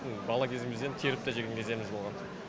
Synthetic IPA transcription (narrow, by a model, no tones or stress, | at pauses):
bɑlˠɑkʲʰe̞zɪmɪzd̪e̞nt̪ʲʰeɾɪp̚t̪ɑʒeɡʲeŋʲkʰʲe̞ze̞mɪzbolˠʁɑn